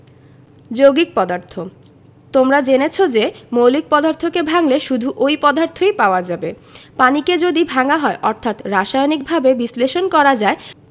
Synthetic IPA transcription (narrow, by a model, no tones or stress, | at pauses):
d͡ʑoɡik̚pɔd̪aɾt̪ʰo | t̪omɾad͡ʑenet͡ɕʰod͡ʑemowlik̚pɔd̪aɾt̪ʰokebʱaŋleʃud̪ʱuʔojpɔd̪aɾt̪ʰojpaoad͡ʑabe | paniked͡ʑod̪ibʱaŋaɦɔeʔɔɾt̪ʰat̪ɾaʃajonik̚bʱabebisleʃonkɔɾad͡ʑae